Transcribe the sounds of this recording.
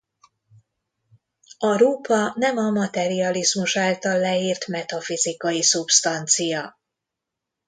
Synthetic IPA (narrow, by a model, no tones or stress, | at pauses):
ɒɾuːpɒnɛmɒmɒt̪ɛɾiɒlizmuʃaːlt̪ɒlːɛiːrt̪mɛt̪ɒfizikɒjisupst̪ɒnt̪sijɒ